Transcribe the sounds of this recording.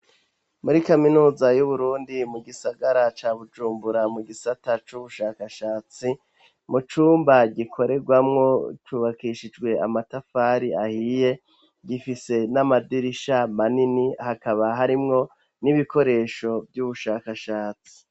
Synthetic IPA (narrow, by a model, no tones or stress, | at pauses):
muɾikaminuːzajuβuɾuːndimuɡisaɡaɾat͡ʃaːβud͡ʒuːmbuɾamuɡisatat͡ʃuβuʃaːkaʃaːt͡si | mut͡ʃuːmbaɟikʰo̞ɾe̞ɡwamŋo̞t͡ʃuːβakiʃid͡ʒɡwe̞amatafaːɾiahije̞ | ɟifise̞namadiɾiʃamaninihakaβaɦaɾimŋo̞ | niβiko̞ɾe̞ːʃo̞vjuβuʃaːkaʃaːt͡si̥